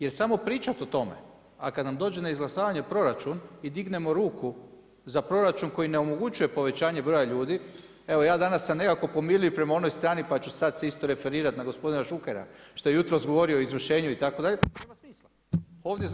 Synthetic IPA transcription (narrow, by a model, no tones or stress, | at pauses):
je̞ɾsamo̞pɾiːt͡ʃat̪o̞t̪o̞me̞̰ | a̰kad̪namd̪o̞ːd͡ʒe̞naizɡlasaːʋaɲe̞pɾo̞ɾat͡ʃunid̪iɡne̞mo̞ɾuːku | zapɾo̞ɾat͡ʃunko̞jineomo̞ɡut͡ʃuje̞po̞ʋe̞t͡ɕaːɲe̞bɾo̞jaʎuːd̪i | e̞ʋo̞jaːd̪anasːane̞kako̞po̞miluempɾe̞mao̞no̞jst̪ɾaːnipat͡ɕusad̪seist̪o̞ɾe̞fe̞ɾiːɾat̪naɡo̞spo̞d̪inaʃukeɾa̰ʃt̪o̞je̞jut̪ɾo̞zɡo̞ʋo̞ɾioizʋr̩ʃe̞ːɲuit̪ako̞d̪aʎepɾemasmiːsla | o̞ːʋd̪je